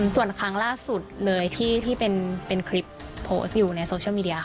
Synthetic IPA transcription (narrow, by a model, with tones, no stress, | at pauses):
su˨˩ənkʰɾa˦˥ŋlaː˥˩su˨˩t̪̚lɤː˧jt̪ʰiː˥˩t̪ʰiː˥˩pe˧npe˧nkʰɾi˦˥pʰːoː˦˥sjuː˨˩na˧jsoː˧˥˩miː˧di˧˥ɐ˧